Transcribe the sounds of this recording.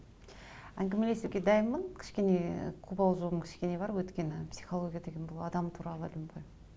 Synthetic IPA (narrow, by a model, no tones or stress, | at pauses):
æŋɡʲeme̞le̞seɡʲe̞d̪ɑjəmːənkʲʰɪ̥ʃkʲe̞ne̞̰qʰubɑlˠʒobəmkʲʰɪ̥ʃkʲe̞ne̞bɑɾwɵt̪kʲe̞nɪpsi̥jχolˠoɡʲijad̪e̞ɡʲenbʊlˠɑd̪ɑmt̪ʰuɾɑlˠəlɪmoj